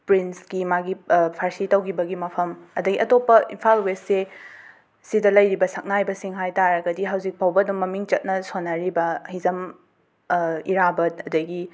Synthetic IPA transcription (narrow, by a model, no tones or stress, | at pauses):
pɾinskimaɡipʰaɾsitɐwkʰibɐɡimɐpʰɐmɐdɐɡiɐtopːɐʔḭnpʰalwesse | sidɐlɐjɾibɐsɐk̚najbɐsiŋɦajtaɾɐɡɐdiɦɐwzik̚pʰawbɐdumːɐmiŋt͡ʃɐt̚nɐsonɐɾibɐhizɐm | iɾabɐtɐdɐɡi